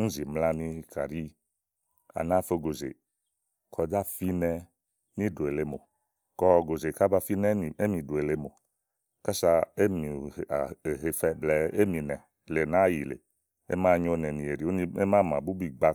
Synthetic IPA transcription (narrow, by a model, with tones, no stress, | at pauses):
n̩˦zi˨mla˦nĩ˧kʰa˨ɾi˦ | a̰˨na˦fo˦ɡo˨zḛ˨ | kʰɔ˨da˦fi˦nɛ˧ | nĩ˦do˨e˨le˨mo˨ | kɔ˦˨ɡo˨ze˨ka˦ba˦fi˦nɛ˦˨e˦mĩ˨do˨e˨le˦mo˨ | ka˦sa˧e˦mḭ˨ɦe˨fɛ˦blɛ˨e˦mĩ˨nɛ˨ | le˨nã˦ji˨lḛ˨ | ḛ˦mã˦˨ɲo˦nɛ˨nĩ˨e˨ɾi˨˦o˦nĩ˦e˦mã˦mã̰˨bu˦bi˦ɡ͡ba˦